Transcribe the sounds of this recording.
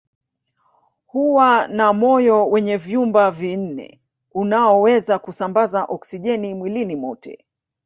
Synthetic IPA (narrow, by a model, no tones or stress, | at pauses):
huwanamɔjɔwɛɲɛvjumbavin̩nɛ̰ | unaɔwɛzakusambazaʔɔksiʄɛnimwilinimɔtʰɛ̰